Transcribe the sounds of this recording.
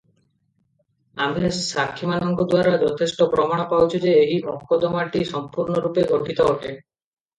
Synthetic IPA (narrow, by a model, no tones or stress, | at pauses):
amesakʰːimanɔŋkod̪waɾad͡ʒɔt̪ʰesʈopɾɔmaɽ̃ɔpawt͡ʃʰid͡ʑeeɦiʔɔkʰːod̪ɔmaʈiʃɔmpuɾɳoɾupeʔoʈʰit̪ɔoʈʰe